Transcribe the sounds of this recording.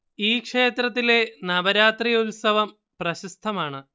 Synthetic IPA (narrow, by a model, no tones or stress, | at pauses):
iːkʂe̞ːt̪ɾrɐt̪̬ːile̞nɐbɐɾaːt̪rijulsɐʋɐm | prɐɕist̪ʰɐmaːɳɨ